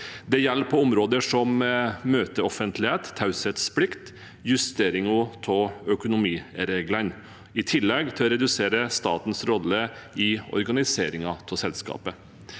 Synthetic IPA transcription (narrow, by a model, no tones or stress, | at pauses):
d̪ɛjɛlːpʰɔʊmɾoːd̪əʂɔmmøːt̪əɔfənt̪ʰlɪheːt̪hɑʉset̪splɪkt̪ | jʉst̪eːɾɪŋut̪ʰɔœkʊnʊmiːɾeːɡlən | ɪt̪ʰɪlːɛɡt̪ʰɪlɔɾɛd̪ʉseːɾəst̪ɑ̰ːt̪n̩sɾɔləɪɔ̰ɾɡɑnɪseːɾɪŋɑt̪ʰɔsɛlskɑ̰ːpə